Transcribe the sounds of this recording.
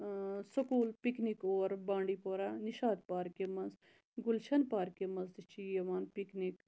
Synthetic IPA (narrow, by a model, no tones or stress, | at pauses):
sɐkuːlpiknikoːɾbãːɳɖipoːɾaːniʃaːd̪paːɾkemɐnz | ɡulʃʰɐnpaːɾkemɐnzd̪it͡ʃijɐʋaːnpiknik